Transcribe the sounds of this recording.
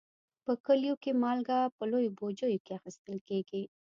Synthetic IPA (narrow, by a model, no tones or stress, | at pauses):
pəkəljokemɑlɡapəlojobod͡ʒəjokeaxist̪əlkeɡi